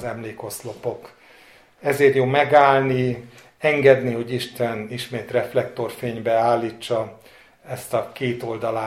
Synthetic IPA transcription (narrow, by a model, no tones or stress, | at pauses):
zɛmleːko̞slo̞po̞k | ɛzeːrjoːmɛɡaːlni | ɛŋɡɛd̪niho̞ɟiʃt̪ɛniʃmeːt̪rɛflɛkt̪o̞rfeːɲbɛaːlːit͡ʃːɒ | ɛst̪ɒkeːt̪o̞ld̪ɒlaː